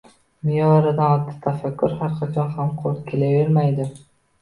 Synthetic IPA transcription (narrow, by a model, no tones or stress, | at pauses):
mɪjɒɾɪd̪anɒt̪ʰːɪ̥t̪ʰafakʲːʊɾhaɾqʰɑt͡ʃʰɒnhamqʰoɾt̪kʲʰe̞lave̞ɾmajd̪ɪ